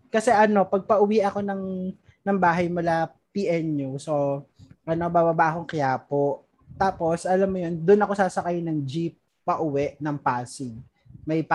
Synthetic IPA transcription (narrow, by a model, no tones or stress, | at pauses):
kɐsɛʔɐno̞pɐɡ̚pɐʔʊwiʔɐko̞nɐŋ | nɐŋbaːɦɐjmʊla | piʔɛnjusoʔɐno̞baːbɐbaʔɐko̞ŋkɐjaːpoʔ | t̪aːpo̞sʔɐlamːojond̪ʊnɐko̞saːsɐkajnɐŋd͡ʒip̚ː | ɐʔʊwɛʔnɐŋpaːsɪɡ̚ | mɐjp